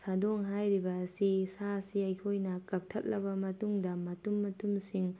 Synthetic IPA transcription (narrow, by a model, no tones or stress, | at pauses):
sadɔŋɦajɾibɐːsisasiɐjkʰojnɐkɐk̚tʰɐt̚lɐbɐmɐtuŋdɐmɐtumːɐtumsiŋ